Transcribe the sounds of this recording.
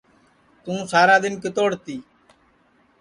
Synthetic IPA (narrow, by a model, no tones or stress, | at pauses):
t̪ũːsaːɾaːd̪ɪnkɪt̪oːɽt̪iː